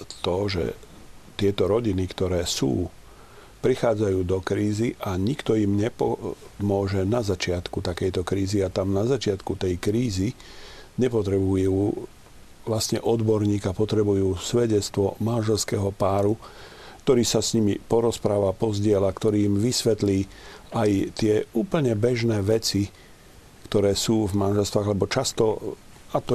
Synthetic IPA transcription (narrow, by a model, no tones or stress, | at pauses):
t̪ɔʒɛ̰ | t̪ɪɛt̪ɔɾɔɟinikt̪ɔɾɛːsṵː | pɾixaːd͡zajuːd̪ɔkɾiːziʔaɲikt̪ɔimɲɛpɔmʊɔʒɛnazat͡ʃɪat̪kut̪akɛjt̪ɔkɾiːziat̪amnazat͡ʃɪat̪kut̪ɛjkɾiːziɲɛpɔt̪ɾɛbujuː | ʋlast̪ɲɛʔɔd̪bɔɾɲiːkapɔt̪ɾɛbujuːsʋɛɟɛt͡st̪ʋɔmanʒɛlskɛːɦɔpaːɾu | k̚t̪ɔɾiːsasɲimipɔɾɔspɾaːʋapɔzɟɪɛlakt̪ɔɾiːmʋisʋɛt̪liːajt̪ɪɛuːpl̩ɲɛbɛʒnɛːʋɛt͡si | kt̪ɔɾɛːsuːvmanʒɛlst̪ʋaːɣlɛbɔt͡ʃast̪ɔ | at̪ɔ